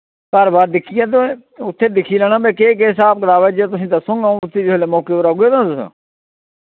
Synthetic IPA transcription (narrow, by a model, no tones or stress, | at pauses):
kəɾbaːɾd̪ɪkʰijaːt̪oe | ʊt̪ʰːeːd̪ɪkʰiːlɛːñãːbeːkeːkeːs̬aːp̚kəɾaːʋeːd͡ʒeːt̪̬ʊsĩːt̪aːsʊ̃ŋɡãːũʊt̪ʰːiːd͡ʒɦːleːmoːkeːɾaːɡeːd̪ãːt̪ʊsã̰ː